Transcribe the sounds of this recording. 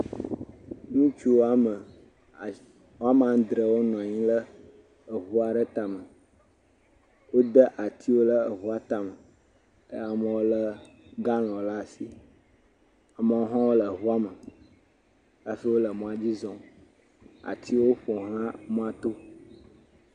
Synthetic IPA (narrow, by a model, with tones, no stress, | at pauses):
nũ˦t͡ʃu˦wo˦a˦mə˨ | wo˦a˦m˨ã˨˦d̪ɾə˨wo˦nɔ̃˨ɲĩ˦lə˦ | ə˨ɦu˦a˨ɖə˦t̪a˨mə˨ | wo˦d̪ə˦ʔa˨t̪i˦wo˦lə˦ə˨ɦu˦a˦t̪a˨mə˨˦ | a˨mə̃˨wo˦lə˦ | ɡa˦l̃ɔ̃˨la˦˨si˦ | a˨mə˨wo˦ɦã˦wo˦lə˨ɦu˦a˦mə˨ | ə˦fi˦wo˦lə˨mɔ̃˦a˨d͡ʑi˦zɔ̃˨ | a̰˨t̪ʰi˦wo˦ɸɔ˨ɦã˦mɔ̃˦a˦t̪o˦